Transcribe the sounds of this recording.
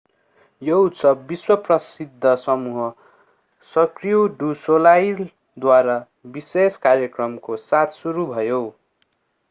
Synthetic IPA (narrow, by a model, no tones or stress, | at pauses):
jout̪sʌbːiswʌprʌsid̪ʱːʌsʌmuɦʌ | sʌkrijoɖusolajl | d̪waɾa | biseskaɾjʌkrʌmkosat̪ʰsuɾubʱʌjo